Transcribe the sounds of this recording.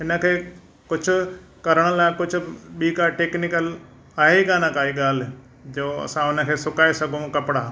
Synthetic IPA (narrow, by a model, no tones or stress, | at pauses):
ɦɪnə̆kʰeː | kʊd͡ʑʰʱʊ̆ | kɐɾəɽ̃əlaːɪkʊd͡ʑʰʱʊ̆ɓiːkaʈeːknɪkəl | aːɦeiɠaːnãkaːiɠaːl̤ | d͡ʑoːɐ̰sãʊnə̆kʰeːsʊkaːesɐɡʱũkɐpɽaː